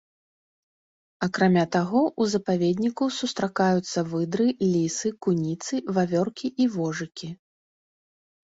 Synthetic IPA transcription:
ɐkɾamʲat̪aɣɔʔuzɐpavʲed̪ʲnʲikusust̪ɾakajut̪sːɐvɨd̪ɾɨlʲisɨkunʲit̪sɨvavʲɔrkʲiʔivɔʐɨkʲi

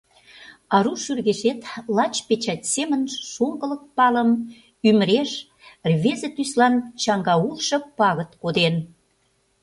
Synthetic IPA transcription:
ɑɾuʃyrɣeʃet̪lɑt͡ɕpet͡ɕɑtʲsemənʃoŋɡələk̚pɑləm | yməɾeʃ | rβezĕt̪yslɑnt͡ɕɑŋɡɑulʃɤ̆pɑɣə̆t̪kod̪en

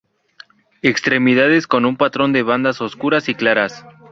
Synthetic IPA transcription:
e̞kst̪ɾe̞miðaðe̞sko̞numpat̪ɾo̞nd̪e̞βand̪aso̞skuɾasiklaɾas

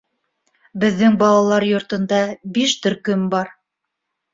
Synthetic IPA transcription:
bɘ̆ðːɘŋbɑlˠɑlˠɑɾjŏɾt̪ɤ̆nd̪ɑbiʃt̪ɵ̆ɾkɵmbɑɾ

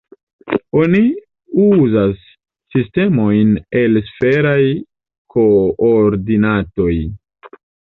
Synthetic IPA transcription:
o̞ni | uzasː | iste̞mo̞jne̞lsfe̞ɾaj | kʰo̞oɾdinato̞j

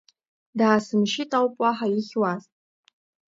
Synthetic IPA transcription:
daːsɨmʃɪtʼawpʼaħaiχʲwaztʼ

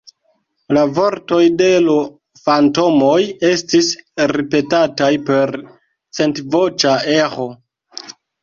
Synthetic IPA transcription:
lavo̞ɾto̞jde̞lo | fanto̞mo̞je̞stisɾipe̞tatajpe̞ɾ | t͡se̞ntvo̞t͡ʃae̞xo̞

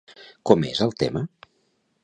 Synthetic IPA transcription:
kɔmḛzəlˠt̪emə

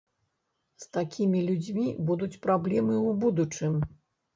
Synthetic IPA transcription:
st̪akʲʰimʲilʲud͡zʲmʲibud̪ut͡sʲpɾablʲɛmɨwbud̪ut͡ʂɨm

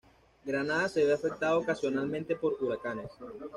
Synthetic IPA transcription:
ɡɾanaðaseβeafek̚t̪aðookasjo̞nalmẽnt̪e̞po̞ɾuɾakane̞s

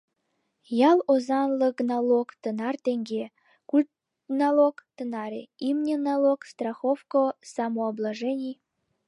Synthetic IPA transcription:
jɑlˠozɑnlˠəknɑlˠokt̪ənɑrt̪eŋɡʲe | kulʲt̪ | nɑlˠokt̪ənɑɾʲḛimnʲenɑlˠokst̪rɑxofkosɑmoːblˠɑʒenʲij

